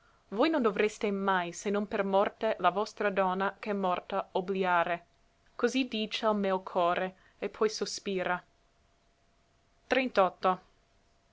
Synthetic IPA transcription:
vojnond̪ovɾest̪emajsenːonpermɔrt̪elavɔst̪ɾad̪ɔnːakɛmːɔrt̪aobliaːɾe | kozid̪iːt͡ʃealmɛːokʰɔːɾe | epʰːɔjsospiːɾʔa | t̪ɾent̪ɔt̪ːo

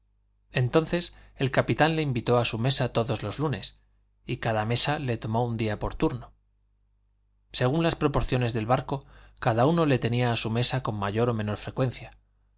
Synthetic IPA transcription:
e̞nt̪o̞nθe̞se̞lkapit̪anle̞imbit̪o̞asume̞sat̪o̞ðo̞zlo̞zlune̞s | ikaðame̞sale̞t̪o̞mo̞und̪iapo̞ɾt̪uɾno̞ | se̞ɣ̞unlaspɾo̞po̞ɾθjo̞ne̞zðe̞lβaɾko̞kaðauno̞le̞t̪e̞niaːsume̞sako̞mːaʝo̞ɾo̞me̞no̞ɾfɾe̞kwe̞n̟θja

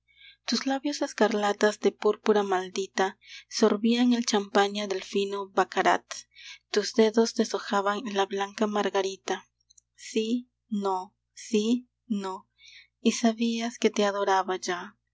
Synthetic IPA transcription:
t̪uslaβjose̞skaɾlat̪azd̪e̞puɾpuɾamald̪it̪aso̞ɾβiaŋelt͡ʃampaɲaðe̞lfinobakaɾa̰t̪ːuzd̪e̞ðo̞sd̪esoxaβaŋlaβlaŋkamaɾɣaɾit̪a | si | no | si | no | isaβiasket̪eaðo̞ɾaβaʒa

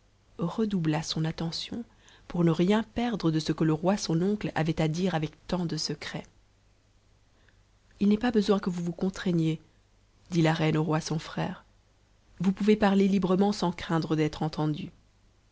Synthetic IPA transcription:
ʁəd̪ublasɔ̃nat̪ɑ̃sjɔ̰̃ | puʁnəʁjɛ̃pɛʁd̪ʁəd̪əsəkələʁwasɔ̃nɔ̃kla̰vɛt̪ad̪iʁavɛkt̪ɑ̃d̪əsəkχɛ | ilnɛpabəzwɛ̃kəvuvukɔ̃t̪χɛɲje | d̪ilaʁɛnoʁwasɔ̃fχɛːʁ | vupuvepaʁlelibʁəmɑ̃sɑ̃kχɛ̃d̪ʁəd̪ɛt̪χɑ̃t̪ɑ̃d̪y

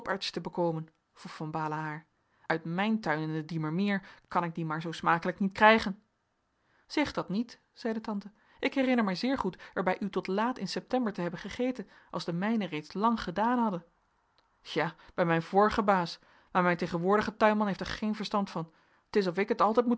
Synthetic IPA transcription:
pɛɹtstəbəkowmən | v̥ruχfɑnbaːləɦaːɹ | œɥtmɛjntœɥnɪndədiməɹmɪːɹkɑnɪɡ̚dimaːɹzowsmaːkələknitkrɛjχən | z̥ɛχdɑtnit | z̥ɛjdətɑntə | ʔɪkɦɛrɪnəɹmɛjzɪːɹχutɛɹbɛjʔytɔtlaːtɪnsɛp̚tɛmbəɹtəɦɛbənχəχejtən | ʔɑlˠzdəmɛjnərejtslɑŋχədaːnɦɑdən | aːb̥ɛjmɛjnvoːɹχəbaːs | maːɹmɛjnteχənʋʊːɹdəχətœɥmɑnɦeftɛɹχejnvəɹstɑntfɑn | tɪs̬ɔfɪkətɑlˠtɛjtmu

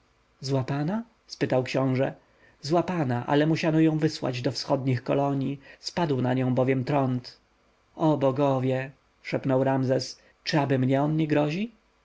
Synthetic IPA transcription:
zwapana | spɘt̪awkɕɔ̃w̃ʐɛ | zwapanaʔa̰lɛmuɕanɔjɔ̃w̃vɘswa̰d͡ʑd̪ɔfsxɔd̪ɲixkɔ̰lɔɲispad̪wnaɲɔ̃w̃bɔvʲjɛmt̪ɾɔnt̪ | ɔbɔɡɔvʲjɛ | ʂɛpnɔwɾamzɛs | t͡ʂɨabɘmɲɛɔnɲɛɡɾɔʑi

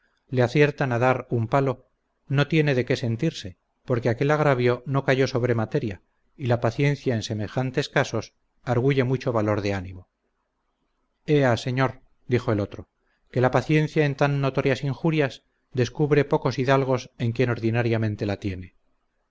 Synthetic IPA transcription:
leaθje̞ɾt̪anaðaɾumpalo̞ | no̞t̪je̞ne̞ðe̞ke̞se̞nt̪iɾse̞ | po̞ɾke̞ake̞laɣɾaβjo̞no̞kaʝo̞so̞βɾe̞mat̪e̞ɾja | ilapaθje̞n̟θjaense̞me̞xant̪e̞skaso̞s | aɾɣ̞uʝe̞mut͡ʃoβalo̞ɾðeanimo̞ | e̞ase̞ɲo̞ɾ | d̪ixo̞elo̞t̪ɾo̞ | ke̞lapaθje̞nθjae̞nt̪anːo̞t̪o̞ɾjasiŋxuɾjas | d̪e̞skuβɾe̞po̞ko̞siðalɣ̞o̞se̞ŋkje̞no̞ɾðinaɾjamẽ̞nt̪e̞lat̪je̞ne̞

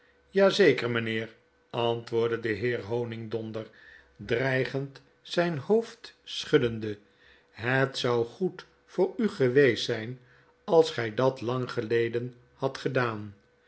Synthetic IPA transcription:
jaːzejkəɹmənɪːɹ | ɑntʋʊːɹdədəɦɪːɹɦownɪŋdɔndəɹdrɛjχənt | sɛjnhowftsχɵdəndə | ɦətsʌwχut | fʊːɹyχəʋejsɛjn | ɑlˠsχɛjdɑtlɑŋχəlejdən | hɑtχədaːn

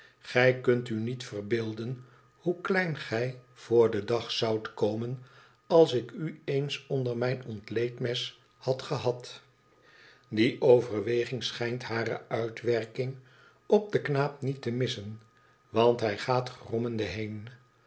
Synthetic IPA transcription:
χɛjkɵntynitfərbɪːlˠdən | huklɛjnχɛjv̥ʊːɹdədɑχsɑwtkowmən | ɑlˠsɪkyejnsɔndəɹmɛjnɔntlejtmɛs | hɑtχəɦɑt | diʔowvəɹʋejχɪŋsχɛjntɦaːrə̰œɥtʋɛɹkɪŋ | ɔp̚dəknaːp̚nitəmɪsən | ʋɑntɦɛjχaːtχrɔməndəɦejn

